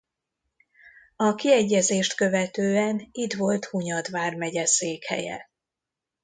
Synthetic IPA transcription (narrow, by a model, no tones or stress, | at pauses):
ɒkiɛɟːɛzeːʃt̪kø̞vɛt̪øːɛnit̪ʋo̞lt̪huɲɒd̪ʋaːrmɛɟɛseːkhɛ̰jɛ̰